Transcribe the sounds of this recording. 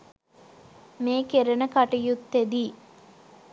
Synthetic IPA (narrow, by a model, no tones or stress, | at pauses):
meːkeɾɐnəkaʈijut̪ːed̪i